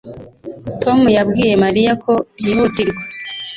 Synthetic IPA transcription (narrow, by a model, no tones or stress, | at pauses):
tʰo̞mujabɡiːje̞maɾijakʰo̞bjihutiɾɡwa